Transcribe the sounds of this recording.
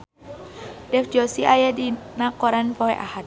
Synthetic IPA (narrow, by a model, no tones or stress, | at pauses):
dɛfd͡ʒɔsiʔajadinakɔɾanpɔɦɛʔahat̪̚